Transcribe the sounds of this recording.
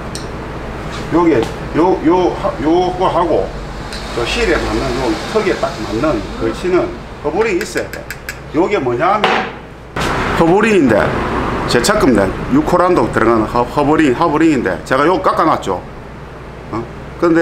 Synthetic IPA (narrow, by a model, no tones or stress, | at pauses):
joɡe | jojohajoɡɦaɡo̰ | koɕʰiɾemanːɯnjoɡhʰɯɡetakmanːɯnkɯt͡ɕʰinɯn | hʰobuɾiis͈edḛ | joɡemɯɲamen | hobuɾiŋind̪ḛt͡ɕet͡ɕʰakɯmd̪ḛnjukʰoɾand̪ok̚t̪ɯɾɯŋanɯhahoboɾiaboɾiŋindḛt͡ɕeɡajoɡk͈ak͈anat͡ɕo̰ | kɯnd̪e